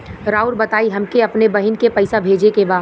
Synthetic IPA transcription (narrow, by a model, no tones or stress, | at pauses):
ɾaːuɾbɐt̪aːiɦɐmkeɐpnebɐɦɪnkepɐɪsabʱeːd͡ʒekebaː